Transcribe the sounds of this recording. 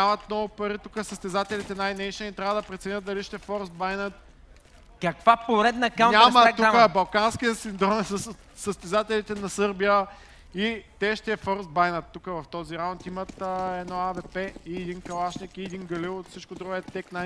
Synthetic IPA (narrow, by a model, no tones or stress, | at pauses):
amɐt̪nɔɡʊpɐɾit̪ukəsəst̪ɛzat̪ɛlit̪ɛnajnɛjʃɛnit̪ɾʲavəd̪ɐpɾɛt̪sɛnʲət̪̚d̪ɐliʃt̪ɛfɔɾsbajnət̪̚ | kɐkvapoɾɛd̪nɐkaɲamət̪ukəbɐlˠkanskiəsind̪ɾɔmɛss | səst̪ɛzat̪ɛlit̪ɛnɐsɤɾbijə | it̪ɛʃt̪ɛfɔɾsbajnət̪ːukəvɐft̪ɔziɾaʊnt̪imət̪əɛd̪nɔavɛpɛiɛd̪inkɐlˠaʃnikiɛd̪inɡɐlilˠt̪fsit͡ʃkod̪ɾuɡɛt̪ːɛkna